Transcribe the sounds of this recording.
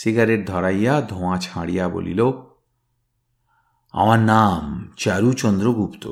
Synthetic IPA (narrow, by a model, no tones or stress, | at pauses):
siɡaɾeɾ̚d̪ʱɔɾajad̪ʱõãt͡ɕʰãɽijabo̰lḭlo | a̰maɾnamt͡ɕaɾut͡ɕɔnd̪ɾoɡupt̪o̰